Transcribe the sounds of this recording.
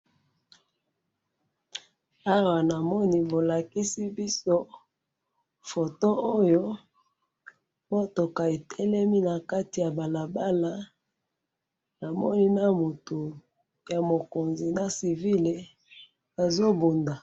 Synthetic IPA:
a˦wa˨na˨mɔ˦ni˦bo˨la˨ki˦si˦bi˦so˦ | fo˨to˦o˦jo˦ | mo˦to˨ka˨e˨tʰɛ˦lɛ˦mi˦na˨ka˦ti˨ja˨ba˨la˨ba˦la˦ | na˨mɔ˦ni˦na˦mo˨to˨ | ja˨mo˨ko˨nzi˨na˨si˨vi˦le˨ | a˨zo˦bo˨nda˨

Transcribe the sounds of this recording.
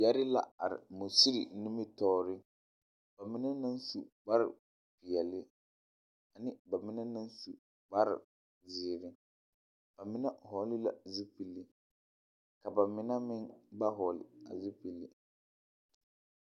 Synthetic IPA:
jɛ˦ɾɪ˦la̰˦a˨ɾɪ̰˨mo˨si˦ɾi˨nɪ˦mɪ˦tɔː˦ɾɪ˦ | b̥a˨mɪ˦na˦na˦nsu˨ɡ͡ba˦ɾɪ̰˨ | pɪ˨jɛ˨lɪ˦ | a˨nɪ˦ba˨mɪ˦na˦na˦nsṵ˨ | ɡ͡ba˦ɾɪ̰˨ | zɪː˨ɾɪ˦ | b̥a˨mɪ˦na˦hɔ˨˦lɪ˦la̰˨zi˦pi˨lːi˦ | ka˨ba˨mɪ˨na˦mɪ˦ŋba˦ɦɔː˨lɪ̰˨a̰˨zi˦pi˨li˨

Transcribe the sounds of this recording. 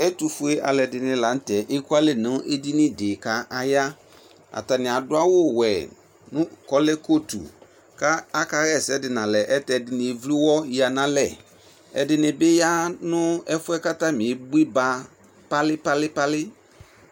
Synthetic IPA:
ɛ˦tu˨fʊ˨˦e˦ʔa̰˨lɛ˨dɪ˨nɪ̃˨la˨n̩˦tɛ˨ʔe˦ku˦a˦lɛ˨nʊ̃˦ʔe˦di˦nɪ̃˦dɪ˨ka˦ʔa˨ja˦ | a̰˨ta˨nɪ̃˨a˨dʊ˦a˦wʊ˦wɛ˨ | nʊ̃˦kɔ˦lɛ˦ko˦tṵ˨ | ka˦a˦ka˦ɣɛ˦˨sɛ˦dɪ˨nã˨lɛ˨ʔɛ˦tɛ˨dɪ˨nɪ̃˨vlu˦wɔ˦ji˦a˨nã˨lɛ˨ | ɛ̰˨dɪ˨nɪ̃˨bɪ˦ja˦nʊ̃˦ɛ˦fʊ˦ɛ˦ka˦ta˦mɪ̃˨bu˦i˦ba˦ | pa˦lɪ˦pa˦lɪ˦pa˦lɪ˦

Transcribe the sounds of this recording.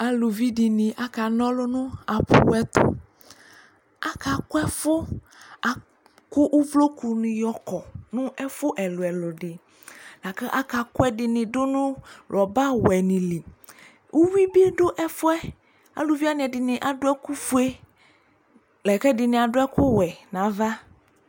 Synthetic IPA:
a˨lo˨vi˦ɖɪ˨nɪ̃˨ʔa˨ka˨nɔ̃˦lʊ˦nʊ̃˦a˨pṵ˨wɛ˦t̪o̰˦ | a˦ka˨kʊ˦ɛ˦fʊ˦ | a˨ | kʊ˦ʔu˦vlo˦ku˨nĩ˨jɔ˦kɔ˨nʊ̃˦ʔɛ˦fʊ˦ʔɛ˨lo˨ɛ˨lʊ˨ɖɪ˨ | la˨kɛ˦ʔa˦ka˨kʊ˦ɛ˦dɪ˨nɪ̃˨ɖʊ˦nʊ̃˦lɔ˨ba˦wɛ˨nĩ˨li˨ | ʔu˦wi˦bi˦ɖo˦ʔɛ˦fʊ˦ɛ˦ | a̰˨lu˦vi˦a˦nɪ̃˨ɛ˨dɪ˨nɪ̃˨ʔa˨ɖo˦ɛ˦ku˦fu˦e˦ | lɛ˨kɛ˦dɪ˨nɪ̃˨a˨ɖʊ˦ɛ˦kʊ˦wɛ˨nã˨˦va˦

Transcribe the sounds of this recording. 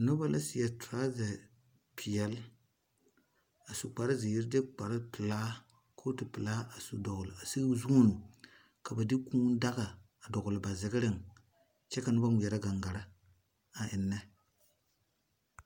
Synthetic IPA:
no˦ba˦lʔa˦si˨jɛ˨tɾa˦zɛ˨ | pʰi˨jɛ˦l | a˨su˨k͡pa˨ɾa˦zi˨ji˦ɾde˦k͡pa˨ɾa˦pɨ˨laː˦ | kʰoː˦ti˨pɨ˨laː˦a˨su˨dɔ˨ɡʊ˨la˨si˦ɡzu˦u˦nu˨ | ka˨ba˨di˦kũː˦n˦da˦ɡa˨ | a˨dɔ˨ɡʊ˨lɪ˨ba˨zɪ˨ɡɪ˦ɾɪ˦˨ŋ | t͡ʃɛ˦ka˨nʊ˦ba˦ŋʷi˨ɛ˨ɾa˦ɡa˨ŋɡa˨ɾa˦ | a˨ʔɪ˨nːɛ˦

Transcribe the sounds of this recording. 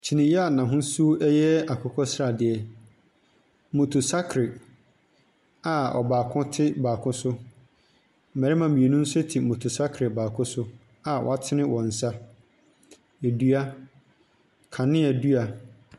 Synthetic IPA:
t͡ɕʰi˨nɪ̃˨jɛ˦a˨nã˨ɦʊ̃˦su˦ʔɛ˦jɛ˦a˨kʰɔ˨kʰɔ˦sɾa˨dɪ˨ɛ˨ | mo˨tʰu˨sa˦kʰɾɪ˨ | a˨ɔ̰˨baː˨kʰʊ̃˦tʰɪ˦baː˨kʰʊ̃˦sʊ˦ | m̩˨mɛ˨ɾɪ˦mã˨mĩ˨e˨nũ˦n̩˦sʊ˦ɛ˦tʰi˨mõ˨tʰu˨sa˦kʰɾɪ˨baː˨kʰʊ̃˦sʊ˦ | a˨wɔ̰˨a˨tʰɪ˦nɪ̃˦wɔ̃˨n̩˨sa˦ | e˨du˦a˦ | kʰã˨nɪ̃˦ɛ˨du˦a˨

